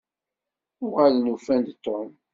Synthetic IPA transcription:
ʊʁalnufænd̪t̪ˤːom

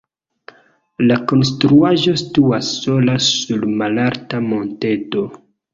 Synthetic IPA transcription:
lako̞ns̬tɾuaʒo̞stuasːo̞lasulmalaɾtamo̞nte̞to̞

